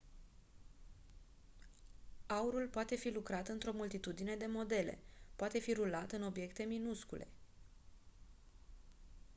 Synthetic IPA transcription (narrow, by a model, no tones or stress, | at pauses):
auɾulpoat̪e̞filukɾat̪ɨnt̪ɾo̞mult̪it̪ud̪ine̞d̪e̞mo̞d̪e̞le̞̰poat̪e̞fiɾulat̪ɨno̞bje̞kt̪e̞minuskule̞̰